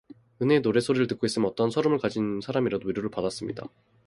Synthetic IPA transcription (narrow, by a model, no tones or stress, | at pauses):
ɯne̞noɾe̞sʰoɾiɾɯɭtɯk͈ois͈ɯmjʌnʌt͈ʌnsʰʌɾomɯɭkad͡ʑinsʰaɾamiɾadoiɾjoɾɯɭpadas͈ɯmɲḭda̰